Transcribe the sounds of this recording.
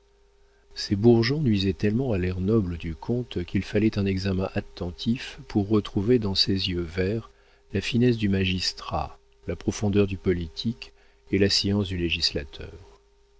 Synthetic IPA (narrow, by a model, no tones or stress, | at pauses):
sebuʁʒɔ̃nɥizɛt̪ɛlmɑ̃alɛʁnɔbləd̪ykʰɔ̃t̪kʲilfalɛt̪ɛ̃nɛɡzamɛ̃ʔat̪ːɑ̃t̪ʰifpuʁːət̪χuved̪ɑ̃sezjøvɛʁ | lafinɛs̬d̪ymaʒist̪χa̰ | lapχɔfɔ̃d̪œʁd̪ypɔlit̪ʰik | elasjɑ̃sd̪yleʒisla̰t̪ʰœ̰ːʁ